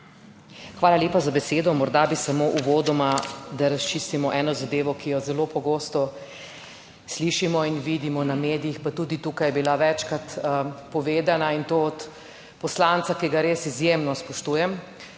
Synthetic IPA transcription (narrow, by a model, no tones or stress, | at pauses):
xʋaːlalʲeːpazabɛseːd̪ɔmɔɾd̪abisamoʔuʋoːd̪ɔmad̪aɾast͡ʃiːst̪imɔʔɛːnɔzad̪eːʋɔkijɔzɛloːpɔɡoːst̪ɔ | sliʃimɔinʋid̪imɔnameːd̪ijixpat̪uːd̪it̪uːkajɛbilaʋɛt͡ʃkɾat̪pɔʋeːd̪anaint̪oːɔt̪ | pɔslant̪sakiɡaɾeːsizjemnɔspɔʃt̪ujɛm